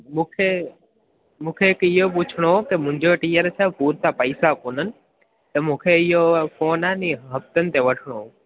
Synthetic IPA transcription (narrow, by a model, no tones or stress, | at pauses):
mũkʰe | mũkʰekijop̬ut͡ʃʰɳokemʊ̃ɲd͡ʒoʈijəɾsʰapuːɾt̪apəjsakunən | t̪emũkʰeijofoːnaniɦəp̚t̪ənt̪eʋəʈʰɳ̃o